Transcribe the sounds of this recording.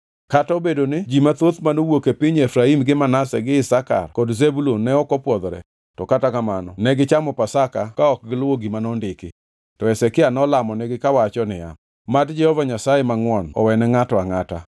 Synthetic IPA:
kataobedonɪd͡ʒimat̪ot̪manowokepiɲɛfɾaimɡɪmanasɛ̰ɡɪɪsaka̰rkɔdzebulonːɛɔkɔpwɔd̪ɾɛ̰ | tɔkatakamanɔnɛɡɪt͡ʃamɔpasakakaɔk̚ɡɪlwoɡimanɔndɪkɪ | tɔɛsɛkɪanɔlamɔnɛɡɪkawat͡ʃɔnɪja̰ | matd͡ʒɛhɔvaɲasajemaŋwɔnɔ̰wɛnɛŋatɔaŋata̰

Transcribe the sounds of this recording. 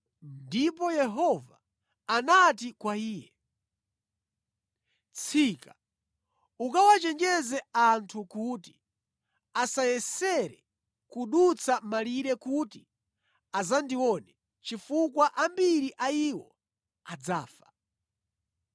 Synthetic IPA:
ndipɔjɛɦɔvaː | natikwaiːjɛ | t͡sʰika | ukawat͡ʃɛnd͡ʒɛzɛantʰukuti̥ | asajɛsɛɾɛ | kuɗut͡sʰamaliɾɛkuti | azandiwɔnɛ | t͡ʃifukwaʔambiɾiʔaiwɔ | ad͡zaːfḁ

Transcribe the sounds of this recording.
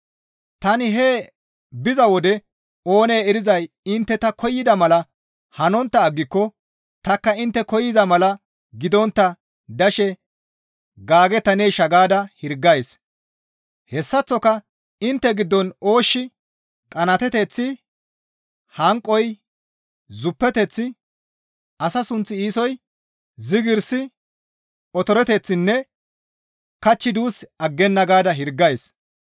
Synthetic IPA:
t̪ɐnɪɦeː | bɪzɐwɔd̪ɛ | o̞ːneːɛɾɪzɐj | ɪnt̪ːɛt̪ɐkɔjːɪd̪ɐmɐlɐ | hɐnɔnt̪ːɐːɡːɪkːɔ | t̪ɐkːɐɪnt̪ːɛkɔjːɪzɐmɐlɐ | ɡɪd̪ɔnt̪ːɐ | d̪ɐʃɛ | ɡaːɡɛt̪ːɐneʃɐɡaːd̪ɐhɪɾɡːɐjs | hɛsːɐt͡sːɔkɐ | ɪnt̪ːɛɡɪd̪ːɔno̞ːʃːɪ | kʼɐnɐt̪ɛt̪ɛt͡sːɪ | hɐŋkʼːɔj | zʊpːɛt̪ɛt͡sːɪ | ɐsɐsʊnt͡sːɪiːsɔj | zɪɡɪɾsɪ | ɔt̪ɔɾɛt̪ɛt͡sːɪnːɛ | kɐt͡ʃːɪd̪uːsɐɡːɛnːɐɡaːd̪ɐɦɪɾɡːɐjs

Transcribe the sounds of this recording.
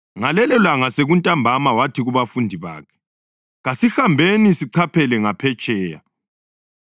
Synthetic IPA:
ŋalɛlɛlaŋaseɣuntʼambʱamawatʰiɣuβafundʱiβa̰ːkʰɛ̥ | ɣasixambʱenisiǀʰapʰɛlɛŋapʰɛt͡ʃʼɛːja̰

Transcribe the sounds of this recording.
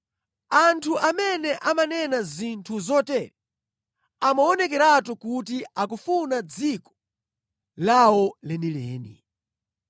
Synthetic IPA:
antʰuʔamɛnɛʔamanɛnazintʰuzɔtɛɾɛ | amaɔnɛk̬ɛɾatukutiakufunad͡zikɔ̥ | lawɔlɛnilɛ̰ːnḭ

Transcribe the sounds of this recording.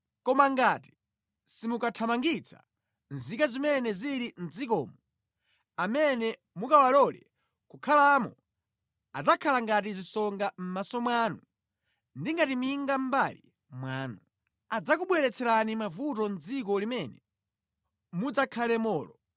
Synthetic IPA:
kɔmaŋɡati̥ | simukatʰamaŋɡit͡sʰḁ̰ | nzikazimɛnɛziɾin̩d͡zikɔːmɔ | amɛnɛ | mukawalɔlɛ̰ | kukʰalaːmɔ̰ | a̰d͡zakʰalaŋɡat̬izisɔŋɡam̩masɔmwanu | ndiŋɡatimiŋɡam̩balḭ | mwaːnu | ad͡zakuɓwɛɾɛt͡sʰɛɾanimavutɔnd͡zik̬ɔlimɛnɛ | mud͡zakʰalɛmɔːlɔ

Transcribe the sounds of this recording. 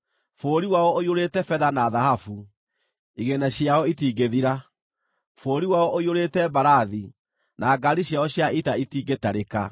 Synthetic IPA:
foːɾiwaɔoioɾetɛfɛðanaðahafu | iɣenaɕjaɔitiːɡeðiɾa | foːɾiwaɔʔoioɾetɛbaɾaði | nʔaːɡaɾiɕjaɔɕjaʔitaitiːɡetaɾeka

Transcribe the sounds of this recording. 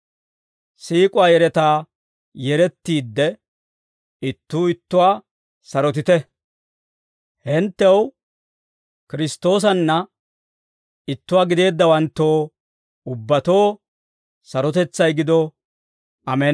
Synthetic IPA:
siːkʼʊwaːjɛɾɛt̪aː | jɛɾɛt̪ːiːd̪ːɛ | ɪt̪ːuːɪt̪ːʊwaː | sɐɾɔt̪ɪt̪ɛ | hɛnt̪ːɛw | kɪɾɪst̪o̞ːs̬ɐnːɐ | ɪt̪ːʊwaːɡɪd̪e̞ːd̪ːɐwɐnt̪ːo̞ː | ʊbːɐt̪o̞ː | sɐɾɔt̪ɛt͡sːɐjɡɪd̪ɔ | ʔɐmɛ

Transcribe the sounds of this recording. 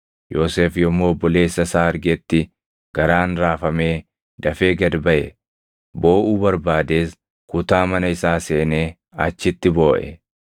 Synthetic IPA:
jo̞ːseːfjɔmːoːbːɔleːsːɐsaːɐɾɡɛt̪ːɪ | ɡ̥ɐɾaːnɾaːfɐme̞ː | d̪ɐfeːɡɐd̪bɐʔɛ | bo̞ːʔuːbɐɾbaːd̪e̞ːs | kʊt̪aːmɐnɐɪsaːse̞ːneː | ɐt͡ʃːɪt̪ːɪbo̞ːʔɛ̰

